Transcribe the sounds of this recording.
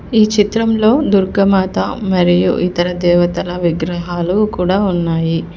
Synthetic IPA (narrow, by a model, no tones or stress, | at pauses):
iːt͡ʃit̪ɾɐmlo̞ːd̪uɾɡɐmaːt̪ɐmɐɾijṵʔit̪ɐɾɐd̪ɛːʋɐt̪ɐlɐʋiɡɾɐɦaːlukuːɽaːunːaːji